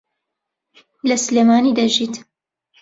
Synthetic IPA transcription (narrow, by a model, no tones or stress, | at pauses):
lɐsleːmaːniːd̪aʒiːt̪